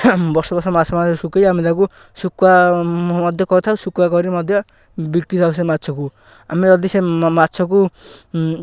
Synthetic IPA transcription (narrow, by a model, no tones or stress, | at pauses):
bɔɾsɔbɔɾsɔmasʰɔmasukejamid̪aku | sukwa | ɔd̪ʱjɔkɔɾt̪ʰawsukwakɔɾimɔd̪ʱjɔ | bikɾit̪ʰaws̬ematːt͡ʃʰɔku | a̰miɔd̪isematːt͡ʃʰɔku